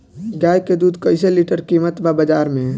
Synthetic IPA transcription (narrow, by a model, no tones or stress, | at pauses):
ɡaːjked̪uːd̪kəɪseliʈəɾkiːmət̪ʋabəd͡ʒaːɾmẽ